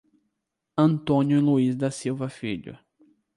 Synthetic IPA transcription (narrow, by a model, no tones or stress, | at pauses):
ɐ̃nt̪õnjʊluizd̪ɐsiwvɐfiʎʊ̰